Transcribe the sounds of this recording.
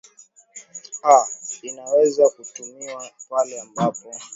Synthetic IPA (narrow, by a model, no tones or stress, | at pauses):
ainawɛzakutumiwapalɛambapɔ